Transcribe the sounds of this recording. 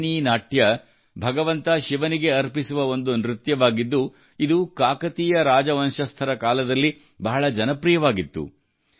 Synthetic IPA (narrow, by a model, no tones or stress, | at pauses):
niːnaːʈjɐ | bʱɐɡɐʋɐnt̪ɐʃiʋɐniɡe̞ɐɾpisuʋɐo̞nd̪unɾit̪jɐʋaːɡid̪ːu | id̪ukaːkɐt̪iːjɐɾaːd͡ʒɐʋɐnʃɐst̪ʰɐɾɐkaːlɐd̪ɐlːi | bɐɦɐɭɐd͡ʒɐnɐpɾijɐʋaːɡit̪ːṵ